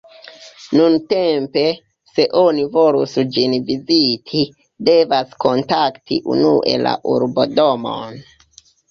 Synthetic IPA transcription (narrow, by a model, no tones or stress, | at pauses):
nunte̞mpe̞ | se̞ʔo̞nivo̞lusd͡ʒinvizitʰi | de̞vasko̞ntaktḭʔṵnuʔe̞̰la̰ʔuɾbo̞do̞mo̞̰n